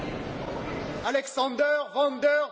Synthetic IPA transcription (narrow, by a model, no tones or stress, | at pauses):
alɛksɑ̃d̪œʁvɑ̃d̪œʁ